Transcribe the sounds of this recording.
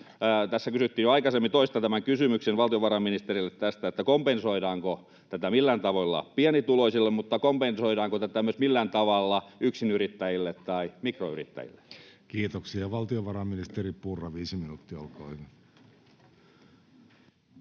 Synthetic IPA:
t̪æsːækysyt̪ːiːjøɑikɑsemːit̪oist̪ɑt̪æmæŋkysymyksenʋɑlt̪ioʋɑrɑminist̪erilːet̪t̪æst̪æet̪ːækompensoiɾɑːŋko | t̪æt̪æmilːænt̪ɑʋoilːɑ̰piɑnit̪uloisilːemmut̪ːɑkompensoiɾɑːŋkot̪æt̪æmyøsmilːænt̪ɑʋɑlːɑyksinyrit̪ːæjilːet̪t̪ɑimikroy̰rḭt̪ːæ̰jḭlːe̥kiːt̪oksiɑʋɑlt̪ioʋɑɾɑminist̪eripurːɑʋiːsiminut̪ːiɑolko̰ːhyʋin

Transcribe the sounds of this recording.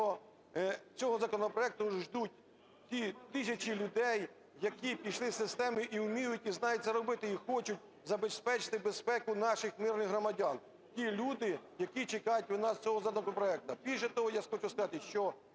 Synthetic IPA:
ɔ | t͡sʲɔɦɔzɐkɔnɔpɾɔɛk̚t̪ʊʒd̪ut̚ʲ | tʲit̪ɪsʲɐt͡ʃilʲʊd̪ɛj | jɐkʲipʲiʃlˠɪsɪst̪ɛmɪʔiwʊmʲijʊtʲiznɑjʊtʲt͡sʲɐɾɔbɪt̪ɪixɔt͡ʃʊtʲ | zɐbespɛt͡ʃɪ̥t̪ɪbespɛkʊnɑʃɪxmɪrnɪxɦɾɔmɐdʲɑn | tʲilʲud̪ɪjɐkʲit͡ʃɪkɑjʊtʲʋʊnɑst͡sʲɔɦɔzɐk̪ɔkɔnɔpɾɔɛk̚t̪ɐbʲiʃɛt̪ɔɦɔjasxɔt͡ʃɪwskɐzɑt̪ɪʃt͡ʃɔ

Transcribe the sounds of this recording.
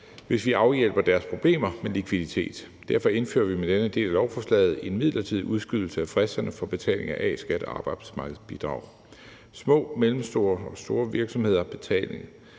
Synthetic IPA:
ʋe̝sʋiʔɑ̈ʊjel̰b̥ɐd̥æɐspʰʁo̝b̥le̝̰ːmɐmelikʰʋiðˠit͡sʰe̝̰ːd̥ | d̥æɐfɒ̽e̝nfø̰ːɐʋimed̥enəd̥e̝̰ːlælɒʊfɒslɛ̰ːð̩ˠe̝nmið̞̰ˠlɐt͡sʰið̰ˠuð̞ˠsɡ̥yð̰ˠl̩səæfʁɛsd̥ɐnəfɒ̽b̥e̝t͡sʰɛ̰ːle̝ŋɐʔɛ̰sɡ̥æɾ̥ɑ̈ːb̥ɑ̈ɪd̥smɑ̈ːɡ̥ð̩ˠb̥id̥ʁɑ̈ʊ̰ | smɔ̰̽ːmelm̩sd̥o̝ːɐɒ̽sd̥o̝ːɐʋiɐɡ̥sɒ̽mhe̝ð̞̰ˠɐb̥e̝t͡sʰɛ̰ːle̝ŋ

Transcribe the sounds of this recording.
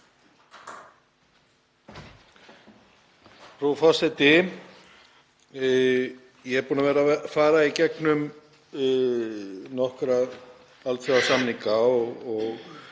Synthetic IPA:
frufasɛt̪ɪ | jɛɛɾpuːnavɛːɾafaːɾaicɛknʏm | nɔhkɾa | alt̪θɛawsamniŋkaɔɣɔɣ

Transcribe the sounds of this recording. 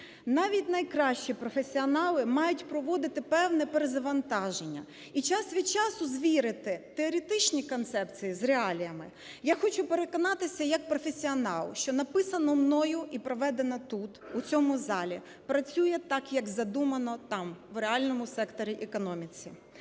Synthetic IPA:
nɑʋʲitʲnɐjkɾɑʃt͡ʃipɾɔfesʲiɔnɑlˠɪmɑjʊtʲpɾɔʋɔd̪ɪt̪ɪpɛwnɛpeɾezɐʋɐnt̪ɑʒenʲːɐ̰ | it͡ʃɑsʋʲid̪t͡ʃɑsʊzʋʲiɾɪt̪ɪt̪eɔɾʲit̪ɪt͡ʃnʲikɔnt̪sɛpt͡sʲijizreɑlʲijɐmɪ | jaxɔt͡ʃʊpeɾe̞kɔnɑt̪ɪsʲɐjɐk̚pɾɔfesʲiɔnɑ̰lˠʃt͡ʃɔnɐpɪsɐnɔmnɔjʊʔipɾɔʋɛd̪enɐt̪ut̪ut͡sʲɔmʊzɑlʲḭ | pɾɐt͡sʲujɛt̪ɑkjɐkzɐd̪umɐnɔt̪ɑmʋreɑlʲnɔmʊsɛkt̪ɔɾʲiʔɛkɔnɔmʲit͡sʲi

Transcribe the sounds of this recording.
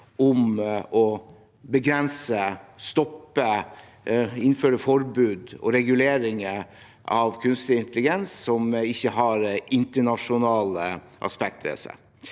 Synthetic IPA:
ɔmɔ | bəɡɾɛnsəst̪ɔpːə | ɪnføːɾəfɔɾbʉːd̪ɔ̰ɾɛɡʉleːɾɪŋə | ɑʋkʰʉnst̪lɪɪnt̪əlɪɡɛnssɔmɪçːəɦɑɾɪnt̪əɳɑʂʊnɑːlə | ʔɑ̰spɛk̚t̪ɾḛsə̰

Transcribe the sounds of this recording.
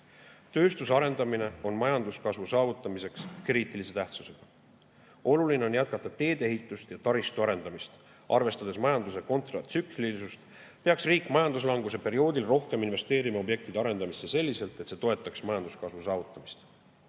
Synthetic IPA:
t̪ø̞ːst̪useɑɾe̞nd̪̥ɑmine̞o̞nmɑjɑnd̪uskɑsvusɑːvut̪ːˑɑmise̞kskriːt̪ˑilise̞t̪æht̪su̥se̞ɡ̥ɑ | o̞luline̞o̞njæt̪̚kɑt̪ːˑɑt̪e̞ːd̪̥e̞ɦit̪ːˑust̪jɑt̪ɑɾist̪uɑɾe̞nd̪̥ɑmist̪ | ʔɑ̰rve̞st̪ɑd̪̥e̞smɑjɑnd̪use̞ko̞nt̪rɑt̪syklilisust̪ | pe̞ɑksriːkːˑmɑjɑnd̪us̬lɑŋɡuse̞pe̞ɾio̞ːd̪ilro̞hkeminve̞st̪e̞ːɾimɑo̞bje̞k̚t̪id̪̥ɑɾe̞nd̪ɑmisːese̞lʲːise̞lt̪ˑet̪se̞ːt̪o̞e̞t̪ːˑɑksmɑjɑnd̪uskɑsvusɑːvut̪ːˑɑmist̪

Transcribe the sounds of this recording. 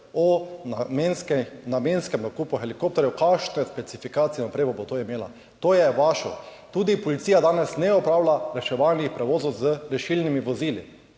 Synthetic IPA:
ɔmensknamenskɛmnakuːpuxɛlikop̚t̪ɔɾjukaʃnɛspɛt̪sifikaːt̪siɛnɔpɾeːbɔbot̪oːimeːla̰ | t̪oːjɛʋaːʃɔ̰t̪uːd̪ipɔlit̪siːjad̪aːnɛsnɛɔpɾaːwlaɾɛʃɛʋalnixpɾɛʋoːzɔwzəɾɛʃilnimiʋɔziːlḭ

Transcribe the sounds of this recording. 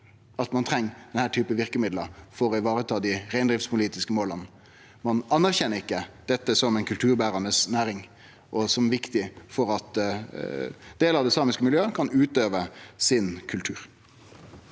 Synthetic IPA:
ɑt̪mɑnt̪ʰɾɛŋːd̪̥ɛnhæːʈ̪ʰyːpəʋɪɾkəmɪd̪ləfɔɾɔɪʋɑːʁət̪ʰɑːd̪ɪʁæɪnd̪ʁɪfspʰʊliːt̪ɪskəmoːlən | mɑnɑnːæɾçɛnːəɾɪkːəd̪̥ɛt̪ːəsɔmɛɪnkʰʉlt̪ʰʉːɾbæːɾɑnəsnæːɾɪŋ | ʔɔsɔmʋɪkt̪ɪfɔɾɑt̪ | d̪̥eːləɾɑʋd̪ɛːsɑːmɪskəmɪljøːəkʰɑnʉːt̪øːʋəsɪnkʰʉlt̪ʰʉːɾ

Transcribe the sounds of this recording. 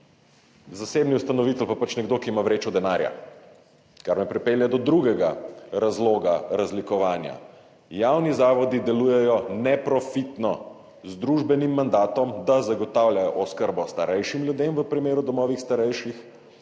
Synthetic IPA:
zaseːbniust̪anɔʋit̪ɛlpapat͡ʃnɛɡd̪okiːmaʋɾeːt͡ʃɔd̪ɛnaːɾja̰ | kaɾmɛpɾɛpeːljad̪ɔd̪ɾuɡɛɡaɾazloːɡaɾazlikɔʋaːnja̰ | jaːwnizaːʋɔd̪id̪ɛlujɛjɔnɛpɾɔfit̪nɔ | zd̪ɾuʒbɛnimːand̪aːt̪ɔmd̪azaɡɔt̪awljajɔʔɔskəɾbɔst̪aɾɛjʃimljud̪emʋəpɾimeːɾud̪ɔmɔːʋixst̪aɾɛjʃix

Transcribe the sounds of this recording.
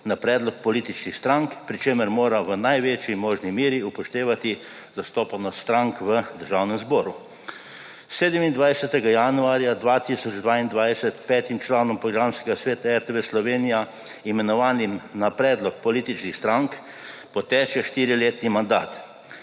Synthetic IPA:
napɾɛːd̪lɔk̚pɔliːt̪it͡ʃnixst̪ɾaŋkpɾit͡ʃeːməɾmoːɾaʋənajʋeːt͡ʃjimoːʒnimiːɾiupɔʃt̪eːʋat̪i | zast̪oːpanɔst̪ɾaŋkʋəd̪əɾʒawnɛmzbɔːɾu | seːd̪ɛmind̪ʋajsɛt̪ɛɡajanuaːɾjad̪ʋaːt̪isɔd͡ʒd̪ʋaːind̪ʋajsɛt̪pɛːt̪imt͡ʃlaːnɔmpɾɔɡɾaːmskɛɡasʋeːt̪aɛɾt̪ɛʋeslɔʋeːnija | imɛnɔʋaːnimnapɾɛːd̪lɔk̚pɔliːt̪it͡ʃnixst̪ɾaŋk | pɔt̪ɛːt͡ʃɛʃt̪iːɾileːt̪nimand̪a̰ːt̪

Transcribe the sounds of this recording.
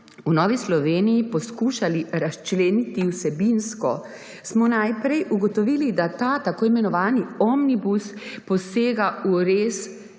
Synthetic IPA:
unɔːʋislɔʋeːnijipɔskuːʃaliɾast͡ʃleːnit̪iwsɛbinskɔ | smɔnajpɾɛjʔuɡɔt̪ɔʋiːlid̪at̪aːt̪akoːimɛnɔʋaːniɔmnibuspɔseːɡauɾeːs

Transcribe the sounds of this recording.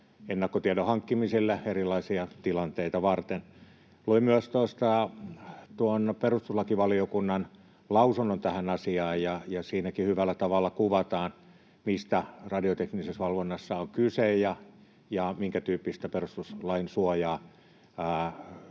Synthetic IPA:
enːɑkːot̪iedohɑŋkːimisilːeerilˑɑisiɑt̪ilɑnt̪eit̪ɑʋɑrt̪en | luimyøst̪ost̪ɑ | t̪uonperust̪uslɑkiʋɑliokunːɑn | lɑusunːont̪æhænɑsiɑːjjɑjɑsiːnækihyʋælːˑæt̪ɑʋɑlːɑkuʋɑt̪ɑːn | mist̪ærɑdiot̪eknisesʋɑlʋonːɑsːɑoŋkysejjɑ | jɑmiŋkæt̪yːpːist̪æperust̪uslɑinsuojɑː

